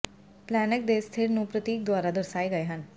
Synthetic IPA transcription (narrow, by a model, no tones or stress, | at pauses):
plɛːnək̚d̪eːst̪ʰɪɾnũpɾət̪iːk̚d̪waːɾad̪əɾsaːeɡɐeɦən